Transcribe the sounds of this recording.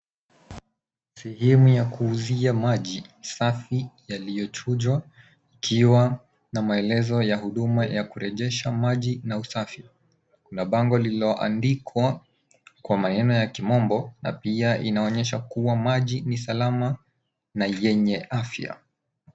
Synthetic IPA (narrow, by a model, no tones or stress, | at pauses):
sɛhɛmujakuːziamaʄisafijalijɔt͡ʃuʄwa | ikʰiwa | namaɛlɛzɔjahuɗumajakuɾɛʄɛʃamaʄinausafi | kunaɓaŋɡɔliiɔʔa̰ndikʰwa | kwamanɛnɔjakimɔmbɔna̰piaʔinaɔɲɛʃakuwamaʄinisalama | najɛɲɛafja̰